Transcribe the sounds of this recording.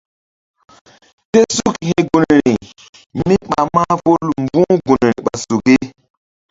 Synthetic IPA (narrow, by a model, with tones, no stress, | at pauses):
te˦su˦khẽ˦ɡu˨n˨ɾi˨ | mi˦ɓa˨ma˦po˦lm˦bũ˦ɡu˨n˨ɾḭ˨ɓa˨su˨ɡe˦